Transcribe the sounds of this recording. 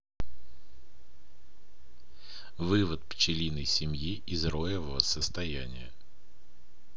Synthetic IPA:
vɨvət̪̚pt͡ɕɪlʲinəjsʲɪmjiʔizrojɪvəvəsəst̪ɐjænʲɪ̰jə

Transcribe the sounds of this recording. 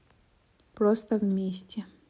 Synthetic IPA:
pɾost̪əvʲmʲesʲtʲɪ

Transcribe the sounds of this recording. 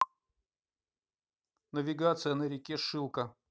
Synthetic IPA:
nəvʲɪɡat̪sɨjənəɾʲɪkʲeʂɨlˠkə

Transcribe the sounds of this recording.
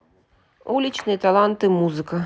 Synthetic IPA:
ulʲit͡ʃnɨjɐt̪alˠant̪ɨmuzɨkɐ

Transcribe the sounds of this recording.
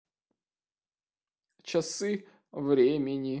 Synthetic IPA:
t͡ɕasɨ | vɾʲemʲɪnʲi

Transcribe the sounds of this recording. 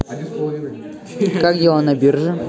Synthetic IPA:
kakjɪʋonɐbʲirʐɨ

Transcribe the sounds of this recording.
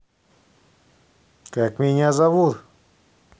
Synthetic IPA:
kɛkmiɲazaβuɾ

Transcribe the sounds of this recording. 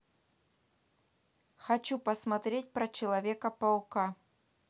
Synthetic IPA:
xɐt͡ɕupɐsmat̪ɾʲet̚ʲpɾɐt͡ɕɪlˠɐvʲekɐpɐlˠka

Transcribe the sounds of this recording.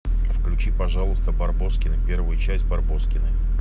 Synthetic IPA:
fklʲʉt͡ɕipɐʐɑlˠʊst̪əbɐrbo̞skʲɪnɨpʲe̞rvʊjʊt͡ɕæsʲt̚ʲbɐrbo̞skʲɪnɨ

